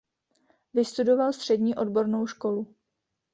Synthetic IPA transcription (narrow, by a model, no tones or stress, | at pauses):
vɪst̪udo̞valst̪r̝̥ɛdɲiːʔo̞dbo̞ɾno̞wʃko̞lu